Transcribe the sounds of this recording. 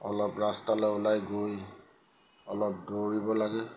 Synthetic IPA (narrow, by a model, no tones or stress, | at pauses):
ɔlɔpɹastalɔʊlajɡoj | ɔlɔp̚doɹibɔlaɡɛ